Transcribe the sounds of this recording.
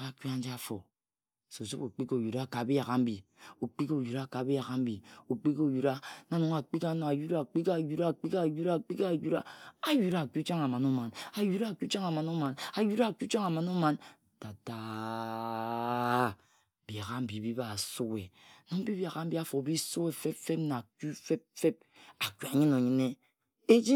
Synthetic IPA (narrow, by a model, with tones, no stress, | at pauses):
ɣa˦˨ki˦a˦n˦d͡ʒa˦fo˨ | so˨su˦bo˨k͡pi˦ko˨ju˨ɾa˦˨ka˨bi˦ja˨ɣa˨m̩˦bi˨ | o˨k͡pi˦ko˨ju˨ɾa˦˨ka˨bi˦ja˨ɣa˦m̩˦bi˨o˨k͡pi˦ko˦˨ju˨ɾa˦na˨˦no˨ŋa˨k͡pi˦ka˦no˨a˨ju˦ɾa˦˨k͡pi˦ka˦˨ju˦ɾa˦˨k͡pi˦ka˦˨ju˦ɾa˦˨k͡pi˦ka˦˨ju˦ɾa˦a˨ju˨˦ɾa˨˦˨ku˦t͡ʃa˦ŋa˨ma˨nu˦ma˨na˨ju˦ɾa˦˨ku˦t͡ʃa˦ŋa˨ma˨no˦ma˨na˨ju˦ɾa˦˨ku˦t͡ʃa˦ŋa˨ma˨no˦ma˨n | ta˨ta˨ | bja˨ɣa˦m̩˦bi˨bi˦ba˦˨su˦ke˨no˨m̩˦bi˦ba˨ɣa˨m̩˦bi˦a˨fo˨bi˦su˦e˨fe˦pfe˦p̚na˨ku˦fe˦p̚fe˦p̚ | a˨ku˨a˨ɲi˦no˨ɲi˦ne˦ | e˦d͡ʒi˦